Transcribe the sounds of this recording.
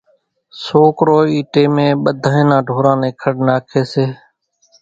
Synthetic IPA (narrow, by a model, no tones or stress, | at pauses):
soːkɾoːiːʈeːmẽːɓəd̪ʱãːẽːnãːɖʱoːɾãːnẽːkʰəɽnaːkʰeːseː